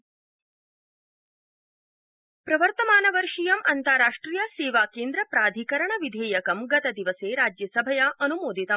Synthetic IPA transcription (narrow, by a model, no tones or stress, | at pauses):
pɾɐʋɐɾt̪ɐmaːnɐʋɐɾʂijɐmɐnt̪ɐɾaːʂʈɾijɐseːʋaːkeːnd̪ɾɐpɾaːd̪ʱikɐɾɐɳɐʋid̪ʱeːjɐkɐmɡɐt̪ɐd̪iʋɐseːɾaːd͡ʒjɐsɐbʱɐjaʔɐnumoːd̪ʱit̪ɐm